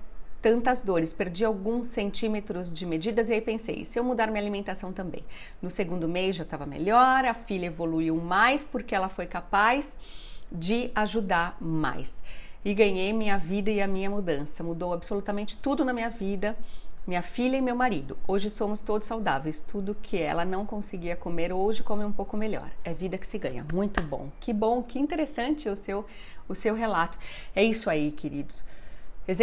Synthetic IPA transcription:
t̪ɐ̃nt̪ɐzd̪oɾɪspeɾd͡ʒiawɡũsːẽnt͡ʃĩmet̪ɾʊzd͡ʒɪmed͡ʒid̪ɐzɪaipẽsḛjsɪewmud̪aɾmĩɲalimẽnt̪asɐ̃w̃t̪ɐ̃mbḛ̃j̃ | nʊseɡũnd̪ʊmejzʒat̪avɐmḛʎɔɾɐfiʎɐevoluiwmajspoɾkeɛlɐfojkapajz | d͡ʒɪaʒud̪aɾma̰jsɪɡɐ̃ɲejmĩɲɐvid̪ɐɪɐmĩɲɐmud̪ɐ̃sɐmud̪owabsolut̪ɐmẽnt͡ʃɪ̥t̪ud̪ʊnɐmĩɲɐvid̪ɐmĩɲɐfiʎɐɪmewmaɾid̪ʊoʒɪsõmʊst̪od̪ʊsːawd̪avejst̪ud̪ʊkʰɪɛ̰lɐnɐ̃w̃kõsɪɡiɐkomeɾoʒɪkomeũpowkʊmeʎɔ̰ɾɛvid̪ɐkɪ̥sɪɡɐ̃ɲɐ̰mũj̃t̪ʊbõ̰w̃kɪbõw̃kɪĩt̪eɾesɐ̃nt͡ʃɪʊsew | ʊsewɦelat̪ʊ̥ɛisʊaikʰeɾid̪ʊsezẽ

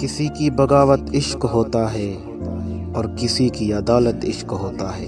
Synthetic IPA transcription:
kɪsikibɐɡaːʋət̪ɪʃkɦoːt̪aɦɛː | ɔːɾkɪsikiɐd̪aːlət̪ɪʃkɦoːt̪aɦɛː

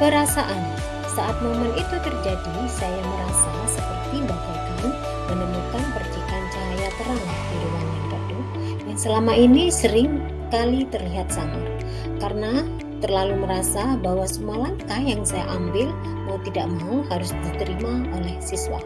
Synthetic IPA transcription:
pəɾasaʔan | saʔat̪̚momənit̪ut̪ərd͡ʒadi | sajaməɾasasəpərt̪ibakakan | mənəmukanpərd͡ʒikant͡ʃajat̪əɾaŋlahdidewanaŋpərdu | dansəlamaʔinisəɾɪŋ | kalit̪ərliɦat̪̚saŋat̪̚ | karəna | t̪ərlaluməɾasabawasəmualaŋkajaŋsaja̰ʔambɪl | maut̪idaʔmauɦaɾʊsdit̪əɾimaolɛhsiswa̰

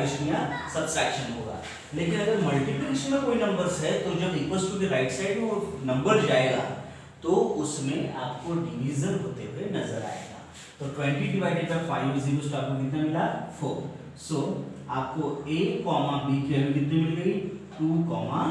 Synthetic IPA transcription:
ɪʃnijasɐbsɛːkʃənɦo̰ːɡa̰ː | leːkɪnɐɡəɾmɐlʈiplɪsnɐ̃koːinɐ̃mbəɾzɦɛt̪od͡ʒɐbiːkəsʈud̪iɾaɪʈsaɪɖʋonɐ̃mbəɾzd͡ʒaːeɡa̰ː | t̪oʊsmẽaːpkoɖiʋiːzəɾɦoːt̪eɦʊwenɐzəɾa̰ːḛːɡa̰ː | t̪ɔːʈʋɛ̃ɳʈiɖiʋaːɪɖeʈɐɾfaːɪʋeziːʋəsʈaːpkẽd̪it̪namɪlafoː | soːaːp̚koeːkːɔːmabiːkiɛmɡɪt̪nemɪlɡɐiʈuːkɔːma

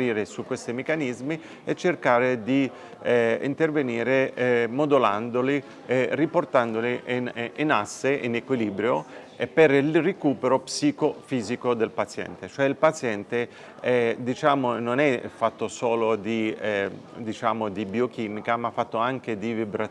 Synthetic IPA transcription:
ɾiːɾesukːwest̪imekːanizmi | et͡ʃːerkaːɾed̪i | ɛḭnt̪erveniːɾeɛmod̪ula̰nd̪oli | ɛriport̪and̪olininasːeʔinekwiliːbɾjo | perilrekuːpeɾopsikofiːzikod̪elpat̪sjɛ̰nt̪et͡ʃoɛilpat̪sjɛnt̪e | ɛd̪it͡ʃaːmononɛfat̪ːosoːlod̪iɛ | d̪it͡ʃaːmod̪ibiokiːmikamafːat̪ːoaŋk̟ed̪ivibɾa

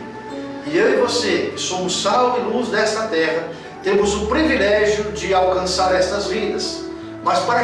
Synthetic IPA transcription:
ɪevosekɪsõmʊsawɪluzd̪ɛst̪ɐt̪ɛɦɐ | t̪ẽmʊzʊpɾivilɛʒjʊd͡ʒɪawkɐ̃saɾɛst̪ɐzvid̪ɐs | mɐspaɾɐ

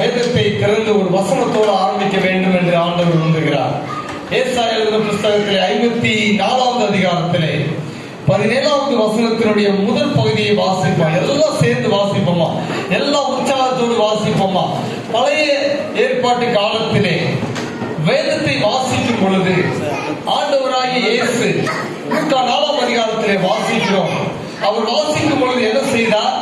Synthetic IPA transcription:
ɐjɐðɐt̪ːɐɪt̪ːɪɾɐnd̪ɯɔɾɯʋɐsɐnɐt̪ːoːɽɐ̃aːɾɐmbɪkʲːɐʋeːɳɖɯmɛndrɯaːɳɖɐʋɐɾʋɐnd̪ɯɣɪɾa̰ːɾ | eːsaːjɐːlɯɾɐpɾʊst̪ɐɣɐt̪ːɪleɐɪmbɐt̪ːinaːlaːmd̪ɯɐðɪɣaːɾɐt̪ːɪleː | pɐðɪneːlaːʋɐðɯʋɐsɐnɐt̪ːɪnɯɽɐjɐmʊðɐlpɐɣɯðɪjɐɪʋaːsɪpːɐmɛlːãːseːɾnd̪ɯʋaːsɪpːɐma̰ːɛlːãːʊɲt͡ʃaːlɐt̪ːoːɽɯʋaːsɪpːɐma̰ː | t̪ɐlɐjɐ | eːrpaːʈːɯkaːlɐt̪ːɪleː | ʋeːðɐt̪ːɐɪʋaːsɪkːɯmpɔɻɯðɯ | aːɳɖɐʋɐɾaːjɐjeːsɯ | ʊkːaːnaːlaːmd̪ɐðɪɣaːɾɐt̪ːɪleːʋaːsɪkːɪɾoːm | ɐʋɐɾʋaːsɪkːɯmpɔɻɯðɯɛnːɐsɛjðaːɾ

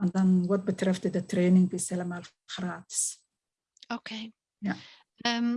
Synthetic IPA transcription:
ɛndɑnʋɑt̚bətrɛftdətreːnɪŋbisɛləmal | χraːtɪ̥s | okʰeː | ja | əm

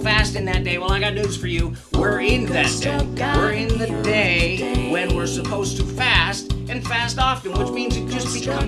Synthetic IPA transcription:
fæstɨ̃nðɨt̚d̥eɪwɛ̃lˠaɪɡɑt̚ⁿnʉz̥fə˞jɨ | wɪɹɪ̃nðɨt̚d̥eɪɪɹɪ̃nðɨdeɪwɨ̃nwɪɹsɨpʰoʊztʰɨfæstɨ̃nfæstɑfɨ̃nwɨt͡ʃmĩnzɨt̚d̥ʒ̥ʌs̚b̥ɨkʰʌ̃

